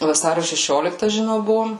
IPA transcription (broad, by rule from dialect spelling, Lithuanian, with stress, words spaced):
ʋɐˈsɑːrʲoː ʃʲɛˈʃʲoːlʲɪktɐ ʒʲɪˈnɐʊ ˈbʊʋoːm